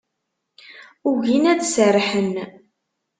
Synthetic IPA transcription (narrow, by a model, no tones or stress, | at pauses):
uʝinæd̪sərħən